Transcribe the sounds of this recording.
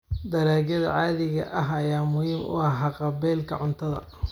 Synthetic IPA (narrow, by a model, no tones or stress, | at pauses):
d̪ɐɾaːɡɐðɐ̰ʕɑːðɪɣɐ̰ʔɐɦɐjaːmʊhiːmʔʊ̰ɑɦɑqɑbɛːlkʰɐ̰ʕʊnt̪ʰɐðɐ̰